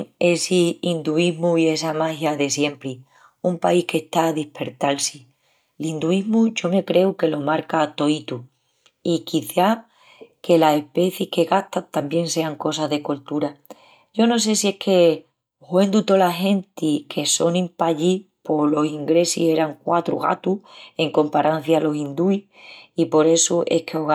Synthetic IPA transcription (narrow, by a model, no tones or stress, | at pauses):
ŋesiind̪uiɦmuie̞samahjaðe̞sje̞mpɾi | umpaihke̞ht̪aðihpe̞ɾt̪alsi | lind̪uiɦmuʝo̞me̞kɾe̞uke̞lo̞maɾkaːt̪o̞it̪u | ikiθa | ke̞lase̞hpe̞θihke̞ɣaht̪at̪ambje̞ŋse̞aŋko̞saðe̞ko̞lt̪uɾa | ʝo̞no̞s̬e̞sie̞kʰe̞ | hwe̞nd̪ut̪o̞laɦe̞nt̪ikʰeso̞nĩmpaʎi | po̞lo̞siŋɡɾe̞sihe̞ɾaŋkwat̪ɾṵɣa̰t̪ue̞ŋko̞mpaɾʔan̟θjaːlo̞sind̪ui | ipo̞ɾe̞suʔe̞̰kʰeoɣ